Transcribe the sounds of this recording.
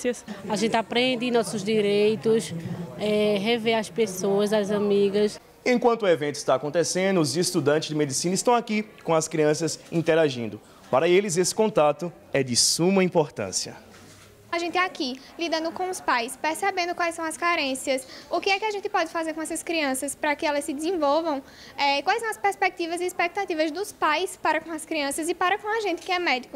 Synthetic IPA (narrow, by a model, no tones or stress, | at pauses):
ɐsaʒẽnt̪ɪapɾẽnd̪ɪɪ̃nɔsʊzd̪iɾejt̪ʊsɛɦeveɐspesoɐzazãmiɡɐs | ẽkwɐ̃t̪ʊuevẽnt̪ʊɪ̥st̪aːkõnt̪esẽnd̪ʊːzɪst̪ud̪ɐ̃t͡ʃɪzd͡ʒɪmed̪isĩnɐɪist̪ɐ̃w̃akikõɐskɾiɐ̃sɐsĩt̪ɛɾaʒḭ̃nd̪ʊ | paɾɐelɪzesɪ̥kõnt̪at̪ʊ | ɛd͡ʒ̪ɪsũmɐĩpoɾt̪ɐ̰̃siɐ̰ | aʒẽnt̪ɪaki | lid̪ɐ̃nd̪ʊkõw̃ʊspajspeɾsebẽnd̪ʊkwajsɐ̃w̃ɐskaɾẽsiɐsʊkɪɛkɪaʒẽnt̪ɪpɔd͡ʒɪfazeɾkõɛsɐskɾiɐ̃sɐspɾɐkɪɛlɐssːɪd̪ɪzẽvɔlvɐ̃w̃ | ɛkwajsɐ̃w̃ɐspeɾspek̚t̪ivɐzɪːspɛk̚t̪at̪ivɐzd̪ʊspajspaɾɐkõɐskɾiɐ̃sɐzɪpaɾɐkõɐʒẽnt̪ɪ̥kɪɛmɛd̪ikʊ